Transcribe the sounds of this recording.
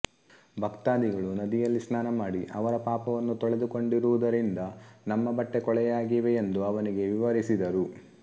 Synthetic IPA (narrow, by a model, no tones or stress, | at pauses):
bʱɐkt̪aːd̪iɡɐɭunɐd̪ijɐlːisnaːnɐmaːɽiʔɐʋɐɾɐpaːpɐʋɐnːut̪ɔɭed̪uko̞ɳɖiɾuʋud̪ɐɾind̪ɐnɐmːɐbɐʈːe̞kɔɭɛjaːɡiʋeːnd̪uɐʋɐniɡe̞ʋiʋɐɾisid̪ɐɾu